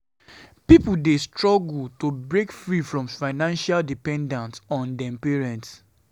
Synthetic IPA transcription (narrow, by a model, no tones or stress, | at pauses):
pipuldestɹɔɡultobɹekfɹifɹɔ̃mfaɪnãnʃaldipɛ̃ndãntɔ̃ndɛ̃mpeɹɛ̃nts